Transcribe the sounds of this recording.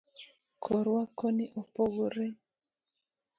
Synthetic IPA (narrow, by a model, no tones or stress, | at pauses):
kʰɔɾwakoniʔopoɣuɾe